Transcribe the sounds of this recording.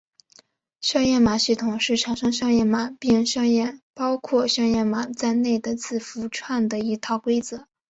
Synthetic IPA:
ɕɑ˥˧ŋjɛ˥˩nma˨˩˦ɕi˥˩t̪ʰʊ˨˩ŋʂɻ̩˥˩ʈ͡ʂʰɑ˨˧˥ŋʂɑ˥ŋʂɑ˥˧ŋjɛ˥˩nma˨˩˦pi˥˧ŋʂɑ˥˧ŋjɛ˥˩pɑ˥ʊkʰwɔ˥˧ʂɑ˥˧ŋjɛ˥˩nma˨˩t͡sa˥˧ɪne˥˩ɪd̪ə˩t͡sʰɹ̩˥˩fu˧˥ʈ͡ʂʰwa˥˩nd̪ə˩i˧˥t̪ʰɑ˥˩ʊkwe˥ɪt͡sɤ˧˥˦

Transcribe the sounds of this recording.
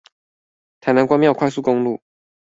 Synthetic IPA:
t̪ʰa˨˩ɪna˧˦nkwa˥ŋmjɑ˥˩ʊkʰwa˥˧ɪsu˥˩ko˥ŋlṵ˥˨

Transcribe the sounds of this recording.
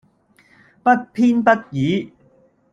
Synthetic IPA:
pɐ˦˥t̚pʰiː˥npɐ˥t̚jiː˨˥

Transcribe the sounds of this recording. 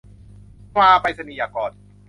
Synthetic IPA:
maː˧pa˧jsa˧niː˨˩jaː˨˩kɔː˨˩n̚

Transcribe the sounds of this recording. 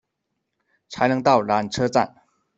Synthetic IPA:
t͡sʰa˧˥ɪnɤ˧˥ŋt̪ɑ˥˨˩ʊla˨˧˥nʈ͡ʂʰɤ˥t͡sa̰˥˨n

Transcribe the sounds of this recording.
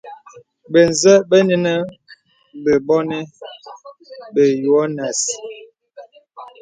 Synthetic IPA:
be˨n˨zɛ˦bə˦ni˦nə˦ | bə˨bɔ˦ne˦ | be˨jwɔ˦na˨s

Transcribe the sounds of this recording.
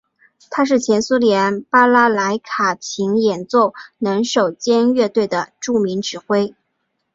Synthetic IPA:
t̪ʰa˥ʂ̬ɻ̩˥˩t͡ɕʰjɛ˧˥nsu˥ljɛ˧˥npa˥la˥la˧˥ɪkʰa˨˩t͡ɕʰi˧˥ŋjɛ˨˩nt͡swɔ˥˩nə˧˥ŋʂo˨˩ʊt͡ɕjɛ˥nɥɛ˥˧t̪we˥˩ɪd̪ə˩ʈ͡ʂu˥˩mi˧˥ŋʈ͡ʂɻ̩˨˩xwe˥ɪ

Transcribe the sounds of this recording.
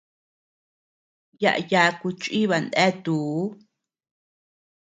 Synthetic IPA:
ja̰˧ʔja˧ku˧t͡ʃʼi˦βa˨nd̪ẽ˦t̪uː˨˦

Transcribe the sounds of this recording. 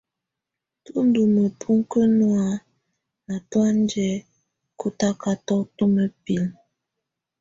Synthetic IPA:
tu˦n̩˦du˨mə˨pʰu˦ŋ˦kə˦nwa˦ | na˨twa˦n˦d͡ʒɛ˨˦ | ku˦ta˦ka˦tɔ˦tu˦mə˨pi˨l

